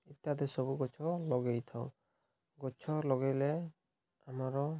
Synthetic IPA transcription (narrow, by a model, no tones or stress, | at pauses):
it̪ad̪esɔbuɡɔt͡ʃʰɔlɔɡejt̪ʰaw | ɡɔt͡ʃʰɔlɔɡejle | amaɾɔ